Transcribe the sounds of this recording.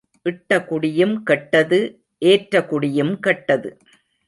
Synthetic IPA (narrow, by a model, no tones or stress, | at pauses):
ʔɪʈːɐkʊɽɪjɯmkɛʈːɐðɯ | ʔeːʈɾɐkʊɽɪjɯmkɐʈːɐðɯ̰